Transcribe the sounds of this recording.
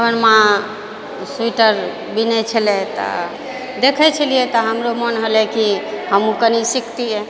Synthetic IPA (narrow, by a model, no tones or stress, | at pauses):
bənmã | suiʈəɾ | binɛt͡ʃʰəlɛt̪ɔ̰ | d̪ekʰɛt͡ʃʰəlijet̪ɔɦəmɾomənɦəlɛkihəmũkənisikʰt̪iɛ